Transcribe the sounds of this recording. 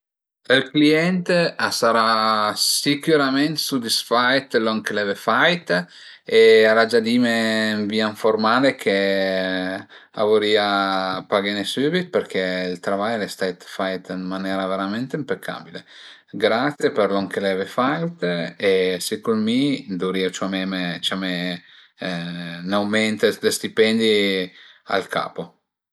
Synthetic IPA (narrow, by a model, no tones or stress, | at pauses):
əlkliɛnt̪easaɾasikuɾament̪sud̪isfajt̪lɔŋkelɛvefajt̪ | eaɾad͡ʒad̪imeɱviːaɱfoɾmaːlekʰe | a̰voɾiapaɡenesybit̪̚peɾkɛilt̪ɾavajlɛst̪ɛt̪fajt̪nmanɛːɾaveɾamɛnt̪eimpekʰːa̰ːbile | ɡɾat̪sjepeɾloŋkelɛvɛfajt̪esekulmid̪uɾiot͡ʃamɛmeit͡ʃame | nawmɛnt̪ed̪est̪ipɛnd̪i | a̰lkʰa̰ːpo